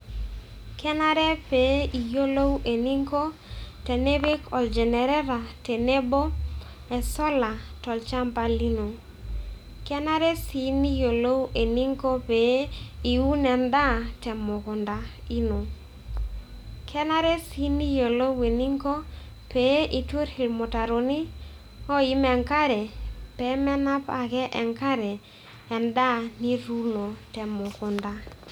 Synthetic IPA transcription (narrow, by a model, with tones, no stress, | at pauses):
kʰɛ˦na˦ɾɛ˦pe˨˦i˨jo˦lo˦wʔe˨ni˦ŋko˦tɛ˨ne˦be˦kʰɔ˨ld͡ʒɛ˨nɛ˨ɾɛ˦ɾa˨tɛ˨ne˦bo˦ | ɛ˨sɔ˦la˨tɔ˨lt͡ʃa˦mpa˨li˦no˨ | kɛ˦na˦ɾɛ˦si˨˦ni˦jo˨lo˦we˨ni˦ŋko˦pe˨˦i˨u˦nɛ˨nda˦tɛ˨mʊ˨kʊ˨nda˨i˦no˨ | kʰɛ˦na˦ɾe˦sni˦jo˨lo˦we˨ni˦ŋko˦ | pe˨˦ʔi˨two˦ɾhi˨lmo˨ta˨ɾo˨ni˦ | ɔ˦i˦mɛ˨ŋka˦ɾɛ˨pɛ˨˦mɛ˦na˦pa˨kɛ˦ʔɛ˨ŋka˦ɾɛ˨ | ɛ˨nda˦ni˦ɾu˦no˨tɛ˨mʊ˨kʊ˨nda˦